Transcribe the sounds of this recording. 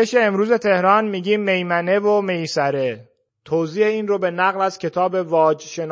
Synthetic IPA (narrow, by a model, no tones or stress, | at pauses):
eʃeːmɾuːze̞t̪ʰe̞hɾɒːnmiːɡiːmːe̞jmæne̞vome̞jsæɾe | t̪ʰoziːheiːnrobe̞næɣlæz̥cʰe̞t̪ʰɒːbe̞vɒːd͡ʒʃen